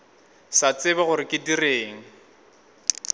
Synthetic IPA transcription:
sat͡sɪbaɣʊɾɪkʼɪdireːŋ̩

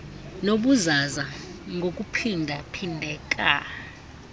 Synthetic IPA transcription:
noɓuzazaŋɡʱokʼupʰindʱapʰindʱɛk̬ʼa̰

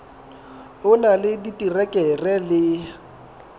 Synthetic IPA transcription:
ʊnalɪditʼirɛkʼɛrɛlɪ

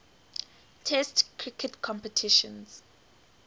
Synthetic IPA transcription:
tʰɛstkʰɹikʰɛtkʰɔ̃mpɛtʰiʃɔ̃nz̥

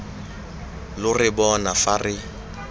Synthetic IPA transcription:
lʊrɪbɔnafarɪ

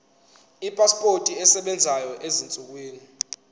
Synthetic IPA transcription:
ipʼaspʼotʼiɛsɛɓɛnd͡zʱajɔʔezint͡sʼuk̬wiːni

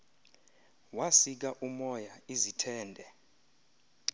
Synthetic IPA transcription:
wasik̬aʔumɔjaizitʰɛːndʱɛ

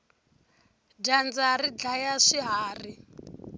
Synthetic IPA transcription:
dand͡zaɾid͡ɮajaʂiɦaːri

